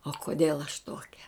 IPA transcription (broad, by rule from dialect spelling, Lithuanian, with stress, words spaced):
oː koːˈdʲeːlˠ ɐʃ ˈtoːkʲɛ